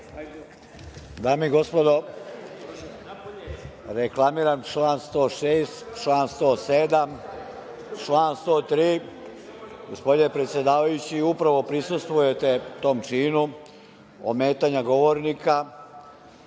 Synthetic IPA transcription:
d̪aːmiiɡo̞spod̪o̞ | ɾeklˠamiːɾant͡ʃlaːnst̪o̞ːʃeːst̪t͡ʃlaːnst̪o̞ːsed̪am | t͡ʃlaːnst̪o̞ːt̪ɾiː | ɡospo̞d̪ine̞pɾet̪sje̞d̪aːʋajut͡ɕiupɾaʋo̞pɾisust̪ʋujet̪e̞t̪o̞ːmt͡ʃiːnu | o̰meːt̪aɲaɡo̞ʋoɾnika

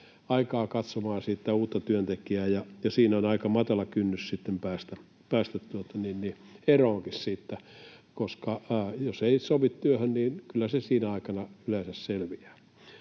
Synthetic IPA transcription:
ɑikɑːkɑt̪somɑːnsiːˑt̪ːæuːt̪ːɑt̪yønt̪ekiæːjɑjɑsiːnæonɑikɑmɑt̪ɑlɑkynːyssit̪ːempæːst̪æ | pæːst̪æt̪t̪uot̪ɑninni | eroːŋkissiːt̪ːæ | koskɑːjoseisoʋit̪t̪yøhønniːnkylːæsesiːnæɑikɑnɑyleːsæsselʋiæː

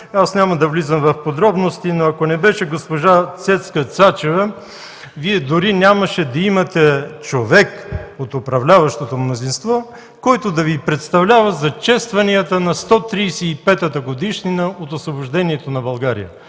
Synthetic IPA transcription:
asnʲamɐd̪ɐvlizəmvɐfpod̪ɾɔbnost̪inoɐkonɛbɛʃɛɡospoʒat̪sɛt̪skət̪sat͡ʃɛvɐ | viɛd̪ʊɾinʲamɐʃɛd̪ɐimɐt̪ɛt͡ʃovɛkot̪opɾɐvlʲavɐʃt̪ot̪omnozinst̪vɔ | kɔjt̪od̪ɐvipɾɛt̪st̪ɐvlʲavɐzɐt͡ʃɛst̪vɐniət̪ənɐst̪ɔt̪ɾiːsɛipɛt̪ət̪əɡod̪iʃninɐot̪osvoboʒd̪ɛniɛt̪onɐbɐlˠɡaɾḭjə̰

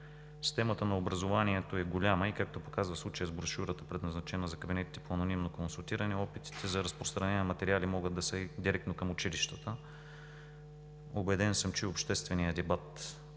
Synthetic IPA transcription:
sst̪ɛmət̪ənɐobɾɐzovaniɛt̪oɛɡolʲaməikak̚t̪opokazvəslˠut͡ʃəjəzbɾoʃuɾət̪əpɾɛd̪nɐznɐt͡ʃɛnəzɐkɐbinɛt̪i̥t̪ɛ̥poɐnonimnokonsulˠt̪iɾɐnɛɔpit̪i̥t̪ʰɛzɐɾɐspɾost̪ɾɐnɛnʲmɐt̪ɛɾialimɔɡəd̪d̪ɐsəd̪iɾɛk̚t̪nokɐmʊt͡ʃiliʃt̪ət̪ə | obɛd̪ɛnsəmt͡ʃiopʃt̪ɛst̪vɛnijəd̪ɛbat̪

